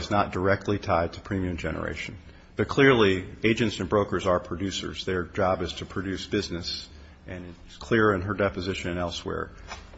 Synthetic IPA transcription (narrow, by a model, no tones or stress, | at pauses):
ɨznət̚d̥ə˞ɛk̚tˡlitʰaɪd̚tʰə̥pʰɹ̥ĩmiɨ̃md͡ʒɛnə̰˞ḛɪʃɨ̃n̩ | b̥ʌt̚kʰl̥ɪɹlˠieɪd͡ʒɨ̃ntsɨ̃nbɹoʊkə˞zə˞pʰɹ̥ɨdʉsə̰˞zðə˞d͡ʒɑbɨz̥tʰɨpʰɹ̥ɨdʉsb̥ɪznɨs | ʔɨ̃nɪtskʰl̥ɪɹɨ̃nə˞dɛpɨzɪʃɨ̃nɨ̃nɛlˠswɛ̰ɹ